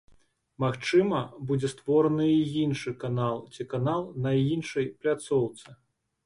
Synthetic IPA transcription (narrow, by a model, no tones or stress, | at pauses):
maxt͡ʂɨmɐbud͡zʲɛst̪vɔɾɐnɨiinʂɨkanalˠt͡sʲikanalˠnɐinʂɐjplʲat̪sɔwt̪sɨ